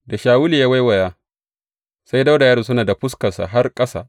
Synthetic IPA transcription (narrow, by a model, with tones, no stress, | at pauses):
da˨ʃaː˨wʊ˦liː˨ja˦wa˦jwɐ˨jaː˦ | sa˦jda˦wda˨jaː˦ɾu˨s̬ʊ˦naː˨da˨ɸʊ˦skɐ˨sa̰˨ɦa˦rkʼɐ˦sa̰ː˨